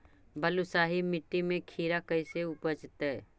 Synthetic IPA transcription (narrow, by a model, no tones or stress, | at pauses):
bəlʊsaːɦimɪʈːimẽkʰiːɾakəɪseʊpəd͡ʒt̪ɛ